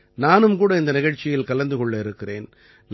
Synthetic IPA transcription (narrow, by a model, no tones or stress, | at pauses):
naːnɯmkuːɽɐɪnd̪ɐnɪɣɐɻt͡ʃːɪjɪlkɐlɐnd̪ɯkɔɭːɐɪɾɯkːɪreːn | n